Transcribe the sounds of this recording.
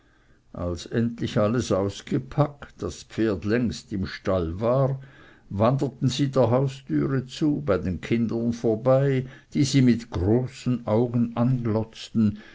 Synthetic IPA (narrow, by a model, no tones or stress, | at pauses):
ʔa̰lsɛntlɪçaləsaʊsɡ̥əpʰaktd̥aspfeːɐdlɛŋstɪmʃtalvaːʁ | vandətn̩ziːdeːɐɦaʊstyːʁət͡suːbaɪdeːnkʰɪndɐnfoːɐbaɪd̥iːziːmɪtɡ̥ʁoːsn̩ʔaʊɡən̩ʔanɡlɔt͡stn̩